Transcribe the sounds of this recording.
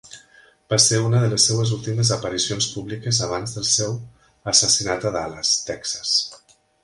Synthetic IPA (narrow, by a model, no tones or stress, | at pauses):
b̥aseɾunəðələsːewəzulˠt̪iməzəpəɾisionspuβlikəzəβ̞anzðəlˠsew | əsəsinat̪əðaləst̪ɛksə̥s